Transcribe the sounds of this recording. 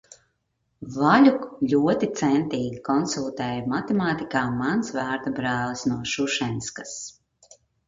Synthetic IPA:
valʲuklʲuɔt̪it̪sɛnt̪iːɡʲikɔnsulˠt̪ɛːjmat̪ɛmaːt̪ikaːmansvæːɾt̪abɾaːlˠsnuɔʃuʃɛnskas

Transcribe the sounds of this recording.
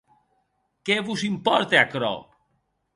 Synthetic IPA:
keβuzimpɔɾt̪eakɾɔ̰

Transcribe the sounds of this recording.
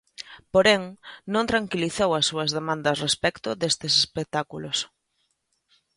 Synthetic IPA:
poɾɛŋnõnt̪ɾaŋkiliθowɐsːuɐzðemãnd̪ɐsrespɛkt̪ʊd̪est̪esespek̚t̪akulos

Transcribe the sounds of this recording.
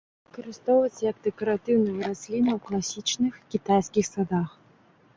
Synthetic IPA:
vɨkɐɾɨst̪ɔwvɐt͡sʲjɐkd̪ɛkɐɾat̪ɨwnɐjɐɾasʲlʲinɐwklˠasʲit͡ʂnɨxkʲit̪ajskʲixsad̪ax

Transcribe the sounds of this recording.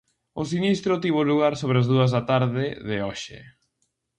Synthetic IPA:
ʊs̬inist̪ɾʊt̪iβ̞oʊluɣaɾsoβɾeazðuɐzðat̪aɾðɪðɪɔʃɪ̰

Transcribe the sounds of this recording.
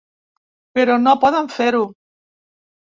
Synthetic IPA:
peɾonopɔðaɱfeɾu

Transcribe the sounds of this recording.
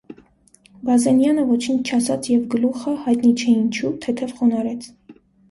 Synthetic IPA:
bɑzɛnjɑnəvɔt͡ʃʰint͡ʃʰt͡ʃʰɑsɑt͡sʰjɛvɡəluχəhɑjt̪nit͡ʃʰɛint͡ʃʰut̪ʰɛt̪ʰɛvχɔnɑɾɛt͡sʰ

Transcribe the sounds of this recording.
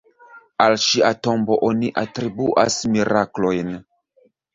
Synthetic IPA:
alʃiato̞mbo̞ʔoniʔatɾibuʔasmiɾaklo̞jn

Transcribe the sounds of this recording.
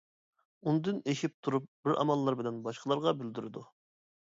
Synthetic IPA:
und̪ɨneʃip̚t̪ʰuɾup̚bɪɾɑ̰mɑlˠːɑɾbɪlɛnbɑʃqʰəlˠɑɾʁɑbyld̪yɾɪd̪u

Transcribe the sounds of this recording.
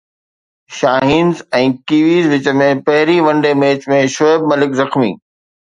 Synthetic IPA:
ʃaːɦiːnzɛ̃ːkiːʋiːzʋɪt͡ɕəmẽpɐɦɪɾiʋɐ̃ɳɖemeːt͡ɕmẽʃoeb̚mɐlɪkzɐxmḭː

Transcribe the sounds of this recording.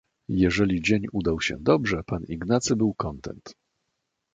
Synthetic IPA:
jɛʐɛlʲid͡ʑeɲud̪awɕɛ̰d̪ɔbʐɛpaniɡnat̪sɘbɘwkɔnt̪ɛ̰nt̪

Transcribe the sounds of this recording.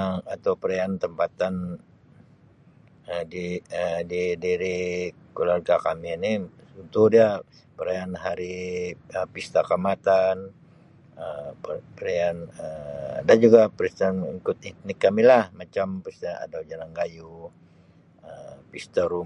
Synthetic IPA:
at̪awpəɾeant̪əmpat̪an | ədiədidiɾi | kolarɡakaminiunt̪udia | pəɾeanɦaɾiəpist̪akamat̪an | əpəɾeanədand͡ʒuɡapɾist̪anikʊt̪it̪nɪkːamilahmat͡ʃampist̪aa̰dad͡ʒalaŋɡaju | əpist̪aɾu

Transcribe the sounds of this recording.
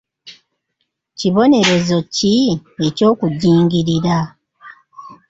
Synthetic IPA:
ciβo̞ne̞ɾe̞zo̞cie̞co̞ːkuɟiːŋɟiɾiɾa

